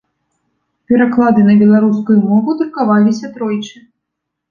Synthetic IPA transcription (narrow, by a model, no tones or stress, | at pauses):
pʲɛɾaklˠad̪ɨnɐbʲɛlˠaɾuskujumɔvud̪ɾkavalʲisʲɐt̪ɾɔjt͡ʂɨ